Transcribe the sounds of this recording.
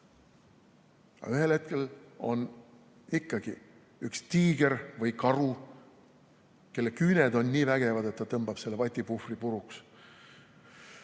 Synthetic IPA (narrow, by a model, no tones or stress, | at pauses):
ɑ̰yhe̞lhe̞t̪̚ke̞lo̞̰n | ikːɑɡ̥i | ykst̪iːɡ̥e̞ɾvɤjkɑɾu | ke̞lːekyned̪o̞nʲːiːvæɡ̥e̞vɑd̪e̞t̪ːɑt̪ɤmb̥ɑb̥se̞lːepɑt̪ʲːˑipufripuɾuks